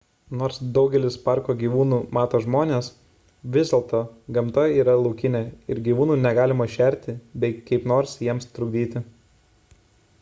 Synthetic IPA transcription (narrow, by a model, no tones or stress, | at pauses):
noːɾsd̪ɒʊɡʲɛlʲɪspɑˑɾkoːɡʲiːʋuːnuːmɑːt̪oːʒmoːnʲeːs | ʋʲɪzd̪ʲɛlˠt̪oːɡɐmt̪oːjiːɾɐlˠɔʊkʲɪnʲeːɪɾɡʲiːʋuːnuːnʲɛɡɑːlʲɪmɐʃʲɛˑɾʲt̪ʲɪbʲɛɪkɐɪpnoːɾsjiɛmst̪ɾʊɡd̪ʲiːt̪ʲɪ